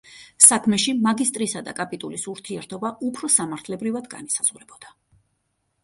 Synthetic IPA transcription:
sakʰmɛʃimaɡist̪ʼɾisad̪a̰kʼapʼit̪ʼulisuɾt̪ʰiɛɾt̪ʰɔbaupʰɾɔsamaɾt̪ʰlɛbɾivad̪ɡa̰nisaz̥ʁuɾɛbɔd̪̥a

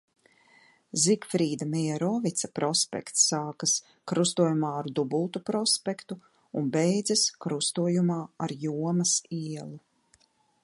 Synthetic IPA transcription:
zikfɾiːd̪amʲɛɛɾɔːvit̪sapɾɔspʲɛ̰kt̪sːaːkas | kɾust̪uɔjumaːaɾd̪ubulˠt̪upɾɔspekt̪u | unbɛjd̪zɐskɾust̪uɔjumaːaɾjuɔmɐsiɛlˠu

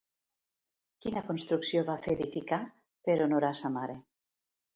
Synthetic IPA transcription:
kinakonst̪ɾuksjoβafeðifika | peɾonoɾasamaɾe

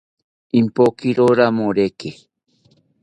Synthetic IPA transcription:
impokiɾoɾamoɾeke

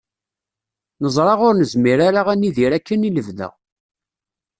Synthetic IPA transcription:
nəzˤɾˤɑʁʊɾnəzmiɾaɾaʁænːiðiɾækːəniləvðə̰ʁ

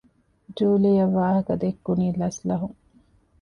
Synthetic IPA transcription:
d͡ʒuːlijɐʋːaːɦɐkɐd̪ekːuniːlɐslɐɦuŋ

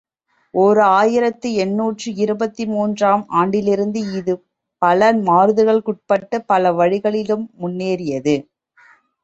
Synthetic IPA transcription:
ʔɔɾɯaːjɪɾɐt̪ːɯɛnːuːʈrɯɪɾɯbɐt̪ːimuːndraːmʔaːɳɖɪlɪɾɯnd̪ɯɪðɯ | pɐlɐmaːɾðɯɣɐɭkʊʈ̚pɐʈːɐpɐlɐʋɐɻɪɣɐɭɪlɯmːʊnːeːɾɪjɐðɯ

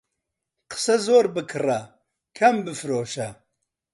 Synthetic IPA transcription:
qə̥sɐzoːɾbɨkʰɨrɐ | kʰɐmbɨfɾoːʃɐ

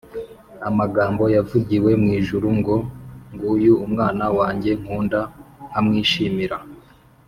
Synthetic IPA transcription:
amaɡaːmbo̞javuɟiwe̞mŋiːʒuɾuŋɡoŋɡujuumŋaːnawaːɲɟe̞ŋ̥huːndahamŋiːʃiːmiɾa

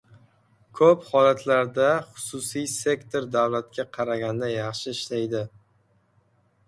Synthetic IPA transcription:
kʰɵphɒlat̪ʰlaɾd̪aχʊ̥sʊsijse̞kt̪ʰoɾd̪awlat̪̚kʲaqʰɑɾaɡʲand̪ajɑχʃɪɪʃlajd̪ɪ

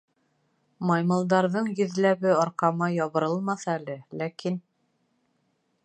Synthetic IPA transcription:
mɑjmɤ̆lˠd̪ɑɾðɤɴjɵ̆ðlæβɘɒɾqɑmɑjɒβɤ̆ɾɤlˠmɑθɑælɘlækin

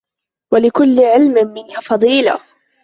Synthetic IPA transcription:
walɪkʊlːɪʕɪlmmɪnhafɑðˤiːla̰

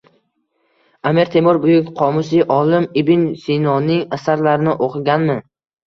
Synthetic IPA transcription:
amiɾt̪ʰe̞mʊɾbʊjʊkʲqʰɒmʊsɪʔɒlɪmɪbɪnsinɒnɪŋasaɾlaɾɪnɪʔoqʰɨɡʲanmɪ

